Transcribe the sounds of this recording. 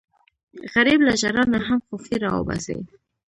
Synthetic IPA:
ɣaɾiblaʒaɾɑnaɦamxʊfiɾɑwo̰ba̰sḛj

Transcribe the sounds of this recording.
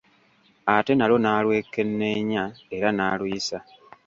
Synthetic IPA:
ate̞nalo̞naːlwe̞ːkːe̞nːe̞ːɲae̞ɾanaːlwiisa

